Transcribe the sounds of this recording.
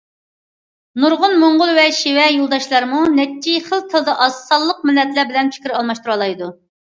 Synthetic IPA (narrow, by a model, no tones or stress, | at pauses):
nuɾʁʊnmoɴʁʊlˠwɛʃiwɛjolˠd̪ɑʃlˠɑɾmunɛt͡ʃʰːiχəlˠt̪ʰɨlˠd̪ɑʔɑsːɑlˠːəq̚mɪlːɛt̪læɾbɪlɛnpʰi̥kʲɾɑlˠmɑʃt̪uɾuɑlˠɑjd̪u